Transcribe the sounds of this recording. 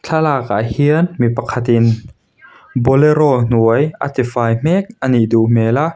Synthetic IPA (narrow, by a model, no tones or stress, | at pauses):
t͡ɬʰalaːka̰hiənmipɐkʰɐt̪ɪn | bɔleɾɔn̥uəjʔa̰t̪ifaːjm̥ɛk̚ʔɐniʔd̪uʔmɛːla